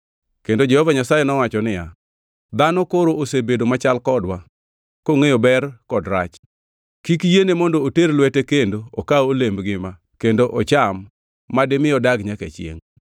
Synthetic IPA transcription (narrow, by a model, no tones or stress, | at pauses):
kendod͡ʒɛhɔvaɲasajenɔwat͡ʃɔnɪja | d̪anokoɾoʔosebedomat͡ʃalkɔdwa | koŋejobɛrkɔdɾat͡ʃ | kik̬jenemɔndooterlwɛtekendookaolembɡɪma | kendoʔɔt͡ʃamː | adɪmɪjɔdaɡɲakḛt͡ʃɪḛŋ